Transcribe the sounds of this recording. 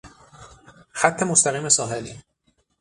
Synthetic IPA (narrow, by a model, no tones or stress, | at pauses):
xæt̪ʰːe̞most̪æɣiːmesɒːɦeli